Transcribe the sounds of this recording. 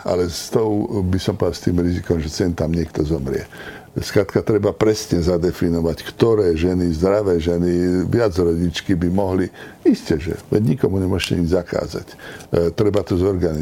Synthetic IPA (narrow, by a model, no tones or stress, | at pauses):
ʔa̰lɛst̪ɔʊbisɔmpɔd̪ast̪iːmɾizikɔmʒɛt͡sɛnt̪amɲɪɛkt̪ɔzɔmɾɪɛ̰ | skɾat̪kat̪ɾɛbapɾɛsɲɛzad̪ɛfinɔʋackt̪ɔɾɛːʒɛnizd̪ɾaʋɛːʒɛniʋɪad͡zɾɔɟit͡ʃkibimɔɦli | iscɛʒɛ̰ʋɛ̰ɟɲikɔmuɲɛmʊɔʃcɛ̰ɲid͡ʒzaka̰ːza̰ct̪ɾɛbat̪ɔzɔɾɡani